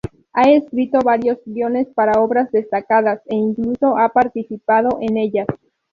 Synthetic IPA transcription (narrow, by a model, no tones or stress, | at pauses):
ae̞skɾit̪o̞βaɾjo̞zbjo̞ne̞spaɾao̞βɾazðe̞st̪akaðase̞iŋkluso̞ʔapaɾt̪isipað̞o̞ʔene̞ʝas